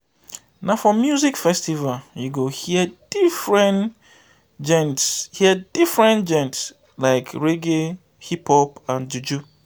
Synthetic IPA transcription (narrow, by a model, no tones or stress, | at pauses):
nafɔmjuzikfɛstivaljuɡohiəd̥ifɹɛ̃n | d͡ʒɛ̃ntshiəd̥ifɹɛ̃nd͡ʒɛ̃nts | laɪkʰɹeɡe | hipʰhɔpãnd͡ʒud͡ʒu